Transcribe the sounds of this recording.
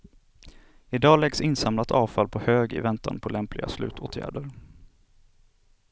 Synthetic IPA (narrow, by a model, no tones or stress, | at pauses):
ɪd̪ɑːlɛɡsɪnsamlat̪ʰɑːvfalpʰɔhøːɡɪ̰vɛnt̪ʰa̰npʰɔlɛmplɪɡa̰slʉ̟ːt̪ʰoːt̪ʰjæ̰ːɖəɾ